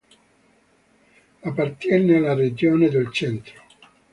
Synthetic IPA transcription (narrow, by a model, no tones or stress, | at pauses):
apːart̪jɛnealared͡ʒoːned̪elt͡ʃɛnt̪ɾo̥